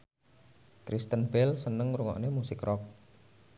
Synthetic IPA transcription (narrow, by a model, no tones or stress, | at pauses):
kɾist̪ənbɛlsənəŋɾuŋɔ̰ʔnemusɪkrɔk̚